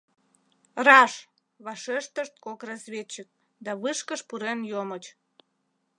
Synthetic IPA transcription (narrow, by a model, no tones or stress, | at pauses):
rɑʃ | βɑʃeʃt̪əʃt̪̚kokrɑzβʲet͡ɕːək̚ | d̪ɑβɨʃkəʃpuɾenjomət͡ɕ